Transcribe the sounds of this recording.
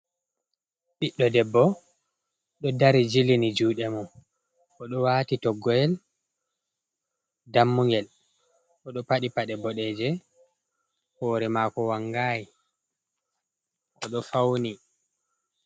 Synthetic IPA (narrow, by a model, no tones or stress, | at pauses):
ɓiɗːɔdɛbːɔ | ɗɔdaɾid͡ʒilinid͡ʒuːɗɛmun | ʔɔɗɔwaːtitɔɡːɔjɛl | damːuŋɡɛl | ʔɔɗɔpaɗipaɗɛbɔɗɛːd͡ʒɛ | hɔːɾɛmaːkɔwaŋɡaːji | ʔɔɗɔfawni